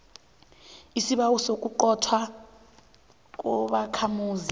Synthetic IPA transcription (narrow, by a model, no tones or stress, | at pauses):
isiɓawɔsokʼuǃɔtʰwa | k̬ʼɔɓakʰamuːzi